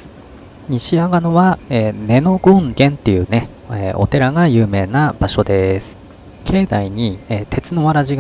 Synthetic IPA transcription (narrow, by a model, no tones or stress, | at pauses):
ɲ̟iɕiaɡanoβaeːne̞no̞ɡɯ̃ŋɡẽ̞nt̪e̞jɯ̟̰ːne | eʔo̞̰t̪e̞ɾaɡajɯ̟ːme̞ːnab̥aɕo̞d̪e̞sɨ̥ | kʰe̞ːd̪aiɲ̟ieːt̪ʰe̞t͡sɨno̞βaɾaʑiɡ